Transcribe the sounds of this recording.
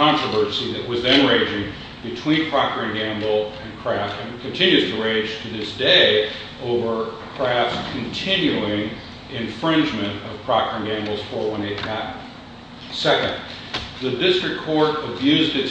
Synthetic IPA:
ɑ̃nt͡ʃɹ̥əvɜ˞siðɨʔ̚wʌzðɨ̃nɹẽɪ̃d͡ʒɪ̃ŋ | bɨtʰw̥ĩnpʰɹ̥ɑkə˞ɪ̃ŋɡæ̃mbl̩ˠɨ̃nkʰɹ̥æftɨ̃nkʰɨ̃ntʰɪ̃njʉz̥tʰɨɹẽɪ̥̃d͡ʒ̥tʰɨðɪsd̥eɪ | ʔoʊvə˞kʰɹ̥æfkʰɨ̃n̩tʰɪ̃njʉɪ̃ŋ | ɨ̃ɱfɹɪ̃nd͡ʒmɨ̃ntʌv̥pʰɹ̥ɑkə˞ɪ̃ŋɡæ̃mbl̩ˠz̥fə˞wə̃nɪtnət̚ | sɛkɨ̰̃nd | ðɨdɪstɹ̥ɨkʰɔɹɾɨbjʉzdɨts

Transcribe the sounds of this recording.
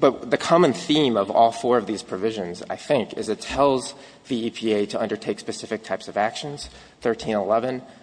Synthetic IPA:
b̥ʌt̚ðɨkʰɑmɨ̃nθĩmʌvɔ̰lˠfɔɹʌvðiz̥pʰɹ̥ɨvɪʒɨ̃nza̰ɪθɪ̃ŋkɨ̰zɨtʰɛlˠz | ðiipʰieɪɾəʌ̃ndə˞tʰeɪkspɨsɪfɨk̚tʰaɪpsʌvækʃɨ̃nz̥ | θɜ˞tʰĩnəlɛvɨ̃n

